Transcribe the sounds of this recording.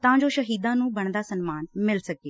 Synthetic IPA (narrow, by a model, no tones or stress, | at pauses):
t̪ãːd͡ʒoːʃəɦiːd̪ãːnũːbəɳ̃d̪aːsənmaːnmɪlsəkeː